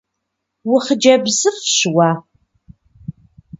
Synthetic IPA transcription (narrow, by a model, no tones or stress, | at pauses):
wʊχəd͡ʒɐbzɨrfɕwaː